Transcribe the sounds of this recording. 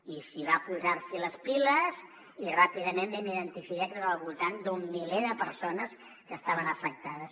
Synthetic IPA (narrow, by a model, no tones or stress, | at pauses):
isiβapuzaɾsiləspiləz | irapiðəmembɛniðənt̪ifikakɾəəlˠβulˠt̪and̪umːileðəpəɾsonəs | kəst̪aβənəfək̚t̪aðəs